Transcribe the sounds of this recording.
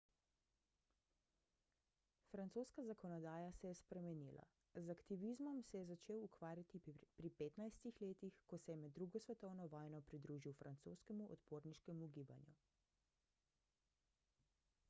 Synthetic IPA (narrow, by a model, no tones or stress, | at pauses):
fɾant̪oːskazakɔnɔd̪aːjasɛjɛspɾɛmɛnilʔa̰ | zakt̪iʋizmɔmsɛjɛzat͡ʃeːwukʋaːɾjat̪ipɾipeːt̪najst̪ixleːt̪ixkɔsɛjɛmɛd̪ːɾuːɡɔsʋɛt̪ɔwnɔʋɔːjnɔpɾid̪ɾuːʒiwfɾʔant̪so̰ːskɛmuʔɔ̰t̪poːɾniʃkɛmuɡiːba̰nju